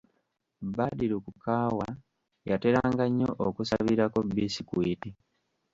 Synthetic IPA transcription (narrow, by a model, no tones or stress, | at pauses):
badiɾukukaːwa | jate̞ɾaːŋɡaɲːoʔokusaβiɾako̞bisikwiːti